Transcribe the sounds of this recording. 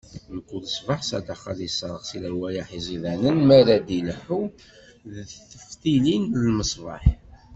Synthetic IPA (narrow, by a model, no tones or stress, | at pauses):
nəkʷːuləsˤvɑħsæ̰d̪aχɑlisɑɾˤəχsiləɾwæjaħizˤiðænənmæɾæd̪iləħu | ðθəft̪ilinəlməsˤvɑ̰ħ